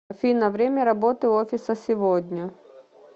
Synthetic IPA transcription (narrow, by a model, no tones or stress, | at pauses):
fʲinɐvɾʲemʲɐɾɐbot̪ɨofʲɪsəsʲɪvod̪ʲnʲɐ